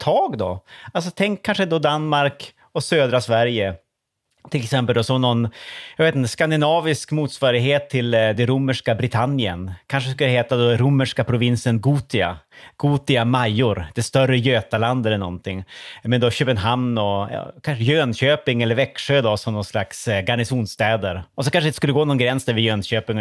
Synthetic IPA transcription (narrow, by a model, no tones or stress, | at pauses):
t̪ʰɑːɡd̪ɔ̰alsɔt̪ʰɛŋkʰːanʂəɛnd̪ɔd̪anmaɾk | ɔsøːd̪ɾasvæɾjə | t̪ʰɪlɛksɛmpəld̪ɔsɔmnɔnjɑveːt̪əskand̪ɪnɑːvɪskmuːt̪svɑːɾɪɡɦeːt̪ʰːɪld̪ɛɾʊmːəʂkabɾɪt̪ʰanːɪə̰nkʰanʂ̬əskɵləɦeːt̪ad̪ɔɾʊmːəʂkapʰɾʊvɪnsənɡuːt̪ɪa̰ɡ̥uːt̪ɪamajːʊɾd̪̥ɛst̪œrːəjøːt̪aland̪əɾɛnːɔ̰nt̪ʰɪŋːmɛnd̪ɔɕøːpənɦamnɔjɑ̰ːkʰanʂəjøːnɕøːpɪŋɛlːəɾvɛkʂøːd̪ɔsɔmnɔnslaksɡaɳɪsuːnst̪ɛːd̪əɾɔsɔkʰanʂəɪnt̪skɵlːəɡoːnɔnɡɾɛnsd̪æɾvɪjøːnɕøːpɪŋ